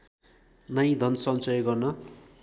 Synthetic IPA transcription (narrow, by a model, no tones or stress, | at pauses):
nʌjd̪ʱʌnsʌnt͡sʌjɡʌrnʌ